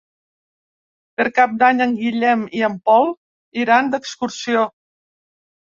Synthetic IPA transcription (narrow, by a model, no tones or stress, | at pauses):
pəɾkap̚d̪aɲəŋɡiʎɛmiəmpɔlˠ | iɾand̪əkskuɾsio